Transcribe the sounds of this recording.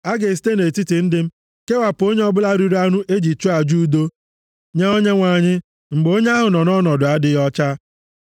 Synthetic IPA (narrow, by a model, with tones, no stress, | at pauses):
a˦ɡe˨s̬i̥˨˦te˦ne˨ti˦ti˨n̩˦dɪ˦m̩˦ | ke˦wa˨pʊ˨o˦ɲe˦ɔ˦bʊ˦la˦ɾi˦ɾa˦nu˦ʔe˦d͡ʒi˨tu˦a˨d͡ʒu˦do˦ | ɲe˦o˦ɲe˦ŋʷa˨ɲɪ˦ | ŋ͡m̩˨ɡ͡bo˦ɲe˦a˦ɦʊ˨nɔ˨nɔ˦nɔ˨dʊ˨a˦dɪ˦jɔ˦t͡ʃa˦